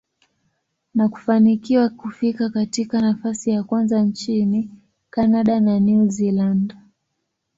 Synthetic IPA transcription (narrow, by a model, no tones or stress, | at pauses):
naku̥fanikiwakufikakatikanafasijakwanzant͡ʃini | kanaɗananuziland